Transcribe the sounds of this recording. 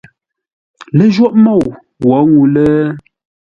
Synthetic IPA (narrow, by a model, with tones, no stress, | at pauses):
lə˦ʒwɔ˦ʔmɔ˦˨w | wɔ˨˦ŋu˨lə˦